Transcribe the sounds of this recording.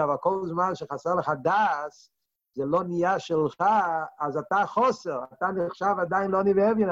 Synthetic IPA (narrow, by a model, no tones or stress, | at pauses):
avalˠkɔlˠzmanʃəχasɛʁlˠəχadas | zɛlonijaʃɪlˠχaːzataχɔsɛʁatanɪχʃavadaɪnlˠoanivɛvjən